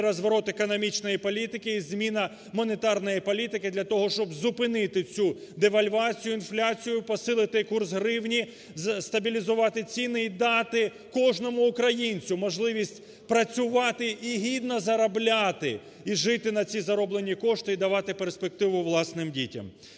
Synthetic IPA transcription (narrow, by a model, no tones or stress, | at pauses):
ɾɐzʋɐɾɔt̪ekɔnɔmʲit͡ʃnɔjipɔlʲit̪ɪkɪːzmʲinɐ | mɔnet̪ɑrnɔjipɔlʲit̪ɪkɪd̪lʲɐt̪ɔɦɔʃt͡ʃɔbzʊpɪnɪt̪ɪt͡sʲu | d̪eʋɐlʲʋɑt͡sʲijʊinflʲat͡sʲijʊpɔsɪlˠɪt̪ɪkursɦɾɪwnʲi | st̪ɐbʲilʲizʊʋɑt̪ɪt͡sʲinɪid̪ɑt̪ɪ | kɔʒnɔmʊːkɾɐjinʲt͡sʲʊmɔʒlˠɪʋʲisʲtʲ | pɾɐt͡sʲʊʋɑt̪ɪʔiɦʲid̪nɐzɐɾɐblʲat̪ɪ̰ | iʒɪt̪ɪnɐt͡sʲizɐɾɔblˠenʲikɔʃt̪ɪid̪ɐʋɑt̪ɪperspek̚t̪ɪʋʊʋlˠɑsnɪmdʲitʲɐ̰m